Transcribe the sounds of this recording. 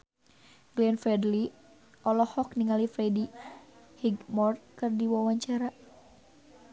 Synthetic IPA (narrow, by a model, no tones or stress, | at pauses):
ɡliɛnfɛdli | ʔɔlɔhɔkniŋalifɾɛdi | hiɡmɔrkɨrdiwawaɲt͡ʃaɾa